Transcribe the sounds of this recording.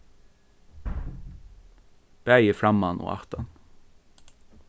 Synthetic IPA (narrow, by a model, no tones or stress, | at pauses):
b̥æɪəfɹɑmɑnʔo̰ːʔɑ̰ʁt̪ɑn